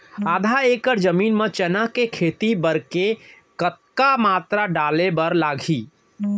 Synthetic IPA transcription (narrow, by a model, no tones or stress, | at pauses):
ad̪ʱaekəɾd͡ʒəminmet͡ʃɛnəɦkekʰet̪ibəɾke | kət̪̚kamat̪ɾaɖalebəɾlaɡʱi